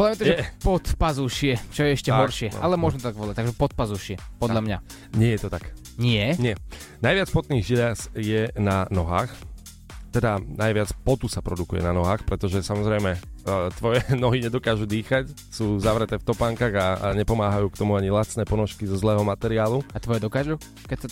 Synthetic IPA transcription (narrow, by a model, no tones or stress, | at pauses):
ʋɔlamɛt̪aʒɛpɔt̪pazuʃɪɛt͡ʃɔjɛɛʃcɛɦɔɾʃɪɛʔalɛmʊɔʒmɛt̪ɔt̪aɡʋɔlac̚t̪aɡʒɛpɔt̪̚pazuʃɪɛpɔd̪ʎamɲa | ɲɪɛjɛt̪ɔt̪ak | ɲɪɛɲɪɛ | najʋɪat͡spɔt̪niːɣʒilasjɛnanɔɦaːx | t̪ɛd̪anajʋɪat͡spɔt̪usapɾɔd̪ukujɛ̰nanɔɦaːxpɾɛt̪ɔʒɛsamɔzɾɛjmɛt̪ʋɔjɛnɔɦiɲɛd̪ɔkaːʒud̪iːxac | suːzaʋɾɛt̪ɛːft̪ɔpaːŋkaːɣaɲɛpɔmaːɦajuːkt̪ɔmuaɲilat͡snɛːpɔnɔʃkizɔzlɛːɦɔmat̪ɛɾɪaːluat̪ʋɔjɛd̪ɔkaːʒu | kɛcsa